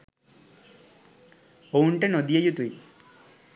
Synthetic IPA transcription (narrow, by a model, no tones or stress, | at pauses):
owɳʈenod̪ijɐjut̪uj